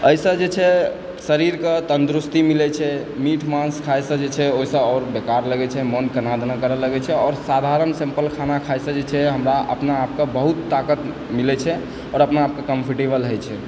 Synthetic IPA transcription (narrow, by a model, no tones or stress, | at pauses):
əjsə̃d͡ʒet͡ʃʰɛ | səɾiɾket̪ənd̪ɾust̪imilɛt͡ʃʰɛmiʈʰmãnskʰajsə̃d͡ʒet͡ʃʰɛoisə̃ɔɾbekaɾləɡɛt͡ʃʰɛmənkənad̪nakəɾələɡɛt͡ʃʰɛɔːɾsad̪ʱaɾənsẽmpəlkʰanakʰajsə̃d͡ʒet͡ʃʰɛɦəmɾaʔə̰pnaːp̚kebəɦut̪ːakət̪ | milɛt͡ʃʰɛ | ɔːɾəpnaːp̚kekəmpʰiʈebəlɦəjt͡ʃʰɛ